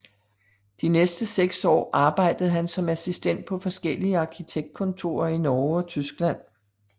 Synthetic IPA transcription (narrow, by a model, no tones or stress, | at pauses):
d̥inesd̥əseɡ̥sɒ̰ːʔɑ̈ːb̥ɑ̈ɪ̰d̥əð̩ˠɦænsɒ̽mæsisd̥en̰d̥̚pʰɒ̽fɒ̽sɡ̥el̰iəɑ̈kʰit͡sʰeɡ̥̚d̥̚kʰɔ̽nt͡sʰo̝ːɐinɒːɒ̽t͡sʰysɡ̥læn̰